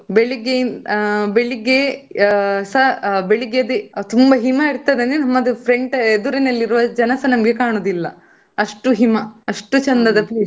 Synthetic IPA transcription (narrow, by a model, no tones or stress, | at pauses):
beɭiɡenbeɭiɡe | sɐbeɭiɡed̪et̪umbɐɦimɐiɾt̪ad̪enenɐmːɐd̪upʰɾeɳʈed̪uɾɐnɐlːiɾuʋɐd͡ʒɐnɐsɐnɐmɐɡekaːɳoːd̪ilːɐ | ɐʂʈuɦimɐɐʂʈut͡ʃɐnd̪ɐd̪ɐpliːs